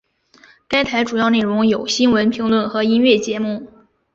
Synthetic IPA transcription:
ka˥ɪt̪ʰa˧˥ɪʈ͡ʂu˨˩jɑ˥˧ʊne˥˩ɻʊ˧˥ŋjo˨˩ʊɕi˥nwə˧˥npʰi˧˥ŋlwə˥˩nxɤ˧˥i˥nɥɛ˥˩t͡ɕjɛ˧˥mu˥˩

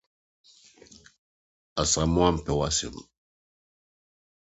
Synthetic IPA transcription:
a˨sa˨mu˦a˦m˨pɛ˨wa˦sḭ˨m˨

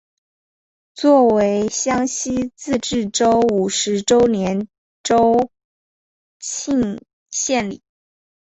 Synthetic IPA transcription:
t͡swɔ˥˩we˧˥ɪɕjɑ˥ŋɕi˥t͡sɹ̩˥˧ʈ͡ʂɻ̩˥˩ʈ͡ʂo˥ʊu˨˩ʂɻ̩˧˥ʈ͡ʂo˥ʊnjɛ˧˥n | ʈ͡ʂo˥ʊ | t͡ɕʰi˥˧ŋ | ɕjɛ˥˩nlḭ˨˩˦

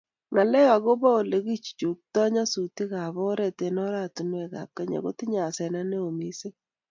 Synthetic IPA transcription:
ŋa˨lɛ˦ja˨ɣo˦ba˦o˨le˨ɣi˦t͡ʃi̥˨t͡ʃu˨k̚tɔ˦ɲa˦su˨ti˦ɣa˨βɔ˦ɾɛ˨te˨nɔ˦ɾa˦˨tu˨nwɛ˨ka̰˨p̚ka˦ɲa̰˨ko˦ti˦ɲa˨sɛ˨na˦ne˦o˨mi˦se˦

